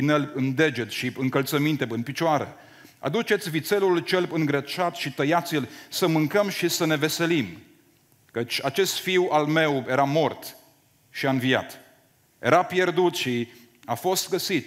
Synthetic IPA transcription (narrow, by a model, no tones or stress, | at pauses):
inelɨnd̪e̞d͡ʒet̪ʃiɨŋkəlt̪səmint̪e̞bɨnpit͡ʃoaɾḛ | a̰d̪ut͡ʃe̞t̪sʲvit̪se̞lult͡ʃelbɨŋɡɾət͡ʃat̪ʃit̪əjat̪silsəmɨŋkəmʃisəne̞ve̞se̞lim | kət͡ʃʲat͡ʃe̞st̪fiwalme̞wje̞ɾamo̞rt̪ | ʃiaɨnvija̰t̪ | je̞̰ɾʔapje̞rd̪ut̪ʃi | afo̞st̪ɡəsit̪